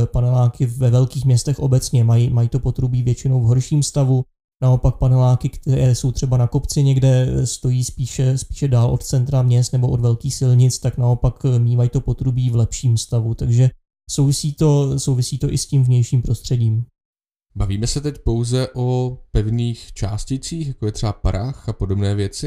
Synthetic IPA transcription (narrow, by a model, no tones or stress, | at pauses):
panɛlaːkɪvɛvɛlkiːxmɲɛst̪ɛxʔo̞bɛt͡sɲɛmajimajiːt̪o̞po̞t̪ɾubiːvjɛt͡ʃɪnowvɦo̞ɾʃiːmst̪avu | nao̞pak̚panɛlaːkɪkt̪ɛɾɛːso̞wt̪r̝̥ɛbanako̞pt͡sɪɲɛɡdɛst̪ojiːspiːʃɛspi̥ːʃɛdaːlʔo̞t̪t͡sɛnt̪ɾamɲɛst̪nɛboʔodvɛlkiːxsɪlɲɪt͡st̪aknao̞pakmɲiːmajit̪o̞po̞t̪ɾubiːvlɛpʃiːmfst̪avut̪aɡʒɛ | sowvɪsiːt̪o̞so̞wvɪsiːt̪o̞ʔɪscimvɲɛjʃiːmpɾo̞st̪r̝̥ɛɟiːm | baviːmɛsɛt̪ɛcpo̞wzɛʔopɛvniːxt͡ʃaːscɪt͡siːxjakojɛt̪r̥ɛbapaɾaxapodobnɛːvjɛt͡sɪ